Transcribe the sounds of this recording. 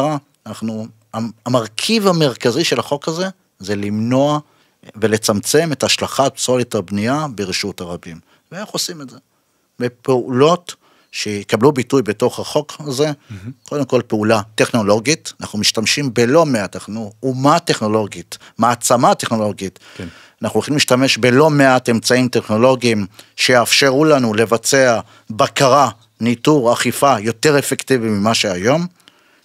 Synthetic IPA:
ʁa | naχnu | aamaʁkʰivhame̞ʁkaziʃe̞laχo̞khaze̞ | ze̞limno̞a | ve̞le̞t͡samt͡se̞me̞taʃlaχatsolitabniabeʁiʃutaʁabim | veanaχosimedze | bepeulo̞t | ʃejekablubitujbeto̞χaχo̞kaze̞kʰo̞d̪emko̞lpeulate̞χno̞lo̞ɡitanaχnumiʃtamʃimbelo̞meataχnuumate̞χno̞lo̞ɡit | maːt͡samate̞χno̞lo̞ɡit | anaχnulχimliʃtame̞ʃbe̞lo̞me̞ate̞mt͡saimte̞χno̞lo̞ɡimʃejːfʃe̞ʁulanule̞vat͡se̞a | bakaʁa | nituʁaχifajo̞te̞ʁe̞fektivimimaʃe̞ajo̞m

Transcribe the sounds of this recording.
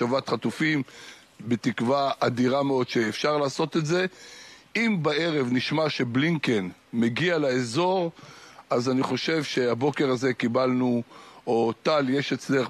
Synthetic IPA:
ovat̪χat̪ufim | bet̪ikvaad̪iʁameo̞dʃeːfʃaʁlaːso̞t̪etze̞ | imbae̞ʁe̞vniʃmaʃe̞bliŋkenmeɡialaezo̞ʁazaniχo̞ʃe̞vʃe̞abo̞ke̞ʁaze̞kibalnuot̪aljeʃet͡sle

